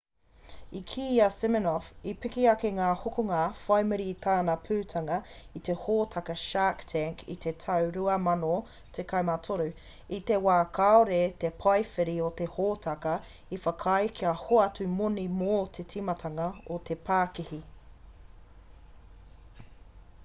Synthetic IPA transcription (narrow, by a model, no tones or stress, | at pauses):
ikʰiːɐsɪmɪnɔfipɪkiɐkeŋaːhokoŋafɐjmɨɾit̪ʰaːnɐpʰʉːtʰɐŋɐ | it̪e̞hoːtʰɐkɐʃaktʰɛŋkʰḭt̪ʰe̞tʰɐwɾʉɐmɐno | t̪ʰekʰɐjmatʰoɾʉ | it̪e̞waːkʰaoɾet̪e̞pʰɐjfeɾiot̪e̞hoːtʰɐkɐ | ifɐkʰɐjkʰiɐhoɐtʉmonimoːt̪ʰetʰimɐtʰɐŋɐot̪ʰe̞pʰaːkihi